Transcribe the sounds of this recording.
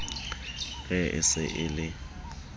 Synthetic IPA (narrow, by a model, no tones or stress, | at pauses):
ɣɛɪ̰sɪ̰ʔɪlɪ